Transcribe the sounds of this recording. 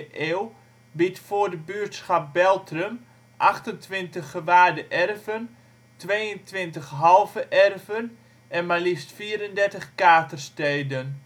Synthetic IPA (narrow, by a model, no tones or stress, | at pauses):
ʔeːw | bitfʊrdəbyːtsxap̚bɛlˠtrəm | ʔaxtəntʋɪntəχəʋaːdəʔɛrvən | tʋeːjəntʋɪntəxɦɑlˠvəʔɛrvən | ɛnmalistfiəɾəndɛrtəχkaːtərsteːdən